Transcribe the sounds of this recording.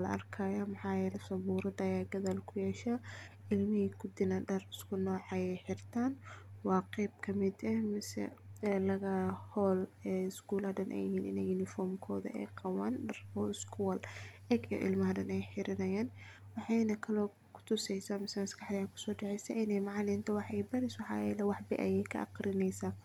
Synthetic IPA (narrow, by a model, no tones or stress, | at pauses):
lɐ̰ʔɐ̰rkʰɐjɐmɐħɑːjɛɾɐsɐβuːɾɐd̪ɐjaːɡɐðɐlkʰʊjɛːʃaː | ɪlmɪhiːkʰʊd̪ɪnɐɖɐrɪskʰʊnɔːʕɑjɛħɪrt̪ʰaːnwɑːqɛjb̚kʰɐmɪd̪ɛhmɪsɛ̰lɐɣɐhɔːlɛːɪskuːlɐdɐnʔɛ̰jɪhiːnɪ̰nɛjʊnɪfɔrmkʰɔːðɐ̰ʔɛ̰ːqɑwaːnɖɐrɔɪskʰuwɐl | ɛɡiɔ̰ʔɪ̰lmɐɦɐdɐnɛjħɪɾɪnɐjaːn | wɑħɑjnɐkʰɐlɔː | kʰʊ̥t̪ʰʊsɛjsaːmɪsɛmɐskʰɑħd̪ɐjaːŋkʰʊ̥sɔːɖɑʕɛjsɐʔɪnɛjmɑʕɑlɪnt̪ʰɐwɑħɛjbɐɾɪswɑħɑ̰ːjɛlɐwɑħbɪ̰ʔɐ̰jɛjkʰɐ̰ʔɑ̰qrɪnɛjsaː